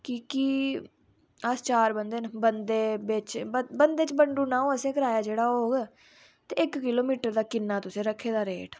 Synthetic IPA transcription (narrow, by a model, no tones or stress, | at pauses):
kɪki | əst͡ʃaːɾbənd̪eːnbənd̪eːbɪt͡ʃbənd̪eːt͡ʃbəɳɖũːnãːõːəsẽːkəɾaːjaːd͡ʒeːɽaːooːɡɛ | t̪eːɪkːɪloːmiːʈəɾd̪aːkɪnːaːt̪ʊsẽːɾəkʰːeːd̪aːɾeːʈ